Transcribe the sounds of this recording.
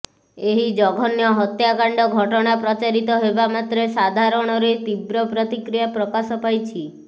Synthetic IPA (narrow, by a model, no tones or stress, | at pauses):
eɦid͡ʒɔɡʱɔnjɔɦɔt̪jakaɳɖɔɡʱɔʈɔɽ̃apɾɔt͡ʃaɾit̪ɔɦebamat̪ɾesad̪ʱaɾɔɽ̃ɔɾet̪ibɾɔpɾɔt̪ikɾijapɾɔkasɔpajt͡ʃʰi